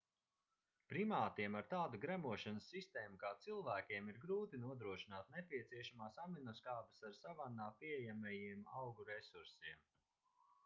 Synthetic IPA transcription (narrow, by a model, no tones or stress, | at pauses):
pɾimaːt̪iɛmaɾt̪aːd̪uɡɾæmuɔʃanəsːist̪eːmukaːt̪silˠvæːkʲiɛmiɾɡɾuːt̪inuɔd̪ɾuɔʃinaːt̪̚nepʲiɛt̪siɛʃamaːsaminɔskaːbɨsaɾsavanːaːpiɛjamajiɛmawɡuɾɛsuɾsiɛm